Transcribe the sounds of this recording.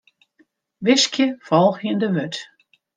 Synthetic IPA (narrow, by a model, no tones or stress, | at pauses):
ʋɪskjəfɔlˠxəəndəʋøt